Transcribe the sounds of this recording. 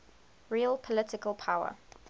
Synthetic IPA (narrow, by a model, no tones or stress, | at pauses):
ɹiəlˠpʰɔlɪtɪkəlˠpʰaʊə̰